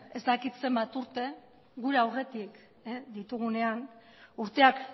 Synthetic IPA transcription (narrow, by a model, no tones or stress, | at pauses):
e̞zt̪akit̪se̞mbat̪uɾt̪e̞ | ɣuɾeawre̞t̪ik | d̪it̪uɣ̞une̞an | uɾt̪e̞ak